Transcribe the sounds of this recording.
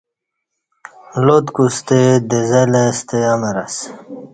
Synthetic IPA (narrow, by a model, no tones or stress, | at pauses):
lot̪kust̪ed̪ezelest̪eameɾas